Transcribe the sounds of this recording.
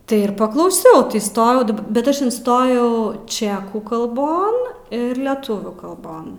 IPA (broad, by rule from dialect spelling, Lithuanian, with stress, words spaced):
ˈtɐɪ ɪr pɐklˠɐʊˈsʲɛʊ iːˈstoːjɛʊ dɐˈbɐ ˈbʲɛt ˈɐʃ ɪnˈstoːjɛʊ ˈt͡ʃʲæːkuː kɐlˠˈboːn ˈɪr lʲɛˈtʊʋʲuː kɐlˠˈboːn